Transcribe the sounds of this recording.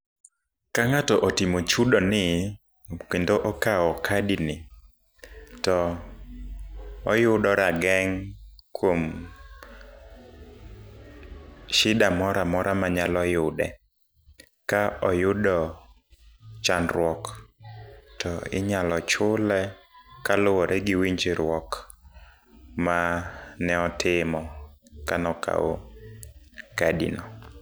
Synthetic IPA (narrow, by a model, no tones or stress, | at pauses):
kaŋatɔʔɔtimot͡ʃudɔnɪ | kendoʔɔkaɔkʰadinɪ | tɔ | ɔjʊdɔɾaɡɛŋkwom | ʃɪdamɔɾamɔɾʔamaɲalɔjʊdɛ̰ | kaʔɔjʊdɔ | t͡ʃanɾwɔk | tʰɔɪ̰ɲalɔt͡ʃʊlɛkalʊwɔɾʔɛɡiwiɲd͡ʒeɾwɔk | manɛɔtʰɪmɔkanɔkʰa̰o̰ | kadḭnɔ